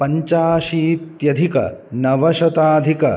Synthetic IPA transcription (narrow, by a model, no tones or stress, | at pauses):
pɐɲt͡ʃaːʃiːt̪jɐd̪ʱikɐ̰nɐʋɐʃɐt̪aːd̪ʱikɐ̰